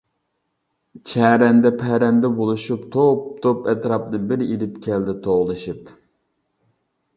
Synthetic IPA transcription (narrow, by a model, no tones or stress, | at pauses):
t͡ʃʰɛɾɛnd̪ɛpʰɛɾɛnd̪ɛbolˠuʃupt̪ʰop̚t̪ʰopɛt̪ɾɑpnɨbɪɾilɪpkʲʰɛld̪ɪt̪ʰoʁlˠɨʃip